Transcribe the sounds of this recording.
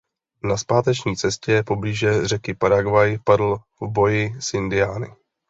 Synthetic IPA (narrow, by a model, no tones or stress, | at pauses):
naspaːt̪ɛt͡ʃɲiːt͡sɛscɛpo̞bliːʒɛrɛkɪpaɾaɡvajpadl̩ | vbo̞jɪsʔɪndɪjaːnɪ̰